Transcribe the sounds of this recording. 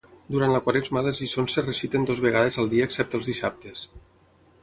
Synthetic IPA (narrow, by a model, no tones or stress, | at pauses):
d̪uɾant̪ləkwaɾezmaðəzisonserəsit̪end̪ozβeɣaðezəlˠd̪iəːksɛp̚t̪əlˠzðisap̚t̪es